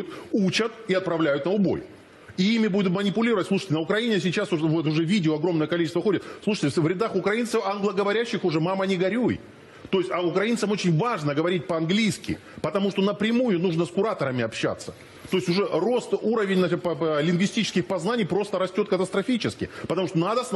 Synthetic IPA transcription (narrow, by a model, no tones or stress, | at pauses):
ʊt̪ut͡ɕət̪iɐt̪̚pɾɐvlʲæjʊt̪nəʊbo̞̰j | iimʲɪbud̪ʲʊt̪mənʲɪpʊlʲiɾəvətʲsˠuʂə̥tʲɪnəʊkɾɐinʲɪsʲɪt͡ɕasʊvot̪ʊʐɛvʲidʲɪoɐɡɾo̞mnəjəkɐlʲit͡ɕɪst̪vəxo̞dʲɪt̪slˠuʂə̥tʲɪvɾʲɪd̪axʊkɾɐint̪səfanɡlˠəɡəvɐɾʲæɕːɪxʊʐɛmamənʲɪɡɐɾʲuj | t̪o̞ɪsʲtʲɐʊkɾɐint̪səmot͡ɕɪnʲvaʐnəɡəvɐɾʲit̚ʲpəɐnɡlʲijskʲɪ̰ | pət̪ɐmuʂt̪o̞nəpɾʲɪmujʊnuʐnəskʊɾat̪əɾəmʲɪɐpɕːa̰t̪sːə | t̪o̞ɪsʲtʲʊʐɛro̞st̪uɾəvʲɪnʲnplʲɪnɡvʲɪsʲtʲit͡ɕɪ̥skʲɪxpɐznanʲɪjpɾo̞st̪əɾɐsʲtʲo̞t̪̚kət̪əst̪ɾɐfʲit͡ɕɪskʲɪ̰pət̪ɐmuʂt̪onad̪əs